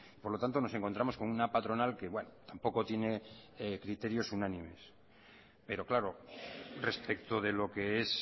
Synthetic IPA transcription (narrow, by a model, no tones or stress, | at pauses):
ipo̞ɾlo̞t̪ant̪o̞noe̞ŋko̞nt̪ɾamo̞sko̞nunapat̪ɾo̞nalke̞βwe̞not̪ampo̞ko̞t̪je̞ne̞ekɾit̪e̞ɾjo̞sunanĩme̞s | pe̞ɾo̞klaɾo̞re̞spekt̪o̞ðe̞lo̞ke̞es